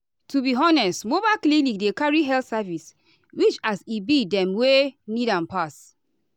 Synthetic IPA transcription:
tubiɦɔnɛsmobalklinik̚dekaɹiɦɛltsavis | wit͡ʃasibidɛ̃mwenidãnpas

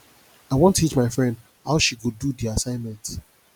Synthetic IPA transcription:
aɪwɔ̃ntʰit͡ʃmaɪfɹɛ̃nd | haʊʃiɡududiasãɪ̃nmɛ̃nt

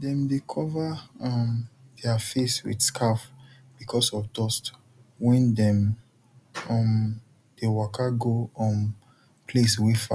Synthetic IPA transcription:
dɛ̃mdekʰɔvaɔmd̥ɛafeswḭdskʰaf | b̥ikʰɔsɔfdɔst | wɛ̃ndɛ̃m | ɔ̃m | d̥ewɔkaɡoɔ̃m | pʰleswefa̰

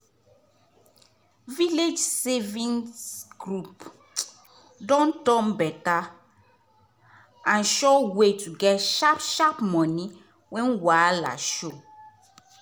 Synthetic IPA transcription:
viled͡ʒsɛvĩnsɡ̥ɹup | dɔ̃ntɔ̃mbɛta | ãnʃɔwetʰuɡɛtʃapʃapmɔ̃ni | wɛ̃nwala̰ʃo

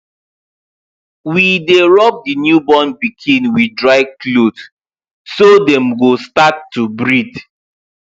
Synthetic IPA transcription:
wideɹɔp̚dinjubɔ̃nbikʰĩnwidɹaɪklod | sodɛ̃mɡostatːubɹid

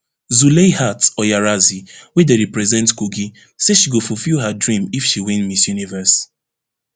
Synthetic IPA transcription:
zulehatɔjaɹaziwɛdeɹipɹɛzɛ̃ntkuɡi | seʃiɡofufilɦadɹĩmifʃiwĩnmisjunivəs

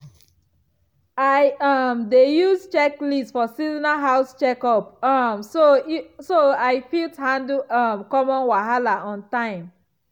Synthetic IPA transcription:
aɪʌmdejuzt͡ʃɛklistfɔsiznaɦaʊst͡ʃɛkɔpʌmsosoaɪfithãndʌmkɔmɔ̃nwaɦalaʔɔ̃ntãɪ̃m

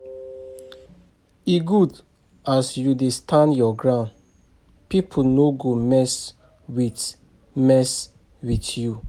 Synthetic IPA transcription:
iɡud | asjudestʰãndjɔɡɹãʊ̃nd | pipʰunoɡomɛs | wit | mɛs | witju

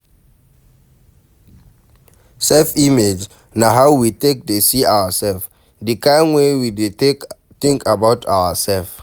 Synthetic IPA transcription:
sɛlfimed͡ʒ | naɦaʊwitek̚dəsiawəsɛlf | dikãɪnwewide | tĩŋkʰabaʊtʰa̰wəsɛlf

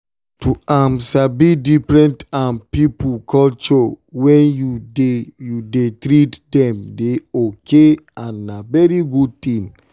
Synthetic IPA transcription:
tuamsabidifɹɛ̃ntãnpipukʰɔlt͡ʃɔwɛ̃njudejudetɾitdɛ̃mdeokʰeãnːavɛɹiɡud̚t̪ĩm

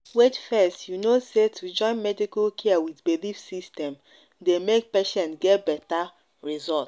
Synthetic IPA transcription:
wed͡ʒfɛstjunosetʰud͡ʒɔ̃ɪ̃nmɛdikalkʰeawidbelifsistɛ̃m | demek̚peʃɛ̃ntɡɛtbɛta | ɹizɔlt

